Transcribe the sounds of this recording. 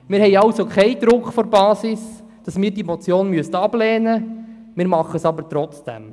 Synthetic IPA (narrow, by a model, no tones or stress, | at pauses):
mɪːɾhɛɪɑwsokχɛɪd̥̪ɾʊkχfɔɾbɑːsɪs | d̥ɑsmɪːɾdimɔt͡sjoːnmyəstɑb̥lɛːnə | mɪːɾmɑχəsɑbəɾtɾɔt͡sd̥ɛ̰m